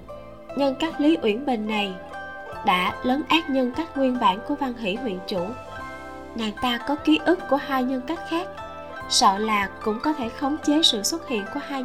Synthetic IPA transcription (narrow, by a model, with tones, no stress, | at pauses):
ɲə˧nkaː˦˥k̚li˨˦ʔwḭ˧˩ənɓï˨˩ŋ̟na˨˩j | ɗa̰ː˧˥ləː˨˦nʔaː˦˥t̚ɲə˧nkaː˦˥k̚ŋwi˧ənɓa̰ː˧˩nku˧˩əva˧nɦḭ˧˩˥ɦwḭ˧˨ənt͡ɕu˧˩ | ŋaː˨˩jt̪aː˧kɔ˨˦ki˨˦ʔɨ˦˥kku˧˩əɦaː˧jɲə˧nka˦˥jk̟̚xaː˦˥k̚ | sɔ̰˧˨laː˨˩kʊ̰˧˥ŋ͡mkɔ˨˦t̪ʰe˧˩xə˨˦wŋ͡mt͡ɕe˨˦sɨ̰˧˨swə˦˥t̚hḭ˧˨ənku˧˩əhaː˧